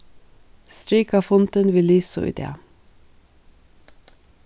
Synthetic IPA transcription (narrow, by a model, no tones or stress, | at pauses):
st̪ɾiːkɑfʊnt̪ənʋɪliːso̰ʔɪ̰d̪ḛːɑ